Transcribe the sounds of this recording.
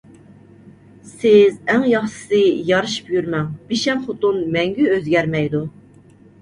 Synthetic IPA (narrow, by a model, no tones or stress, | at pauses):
sɪzæŋjɑχʃɨ̥sɨjɑɾɨʃɨ̥pjyɾmɛŋb̥iʃɛmχot̪unmɛŋɡʲyøzɡʲæɾmɛjd̪u